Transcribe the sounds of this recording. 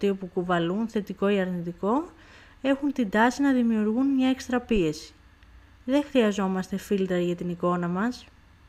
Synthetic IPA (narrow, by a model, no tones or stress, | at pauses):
t̪iopukuvɐlunθe̞t̪iko̞iɐɾnit̪iko̞ | e̞xunt̪ind̪ɐsinɐðimiuɾɣunmɲɐe̞kst̪ɾɐpie̞si̥ | ðe̞xɾiɐzo̞mɐst̪e̞filt̪ɾɐʝɐt̪iniko̞nɐmɐs